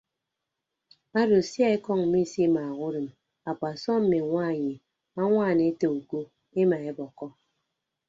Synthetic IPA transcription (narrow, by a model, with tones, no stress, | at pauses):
a˦do˨sja˦e˦kɔ˦ŋm̩˨mi˦˨si˦ma˨ɣu˦ɾɨ˨m | a˨k͡pa˨sɔ˦m̩˦me˨ŋʷa˦˨ɲi˨ | a˦ŋʷa˦˨ne˨e˦te˨u˨ko˦ | e˦ma˨e˦bɔ˨kɔ˦